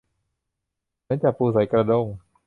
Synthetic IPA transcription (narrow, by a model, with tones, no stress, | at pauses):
ma˧˦˥nt͡ɕaː˨˩pʰuː˧˩s̬a˨˩˦jkɾa˧do˧˩ŋ